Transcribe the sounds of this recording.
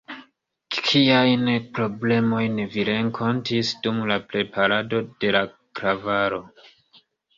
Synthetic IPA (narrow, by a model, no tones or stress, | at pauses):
kʰiajnpɾo̞ble̞mo̞jneviɾe̞ŋkʰo̞ntisdumlapɾe̞pʰaɾado̞d̥e̞la | kɾavaɾo̞